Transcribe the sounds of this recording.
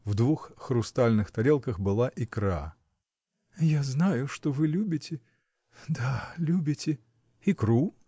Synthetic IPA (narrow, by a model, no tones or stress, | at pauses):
vd̪vuxxɾʊst̪alʲnɨxt̪ɐɾʲe̞lˠkəxbɨlˠaʔɪkɾa̰ | jaznajʊʂt̪ovɨlʲubʲɪtʲɪ | d̪alʲubʲɪtʲɪ | ɪkɾu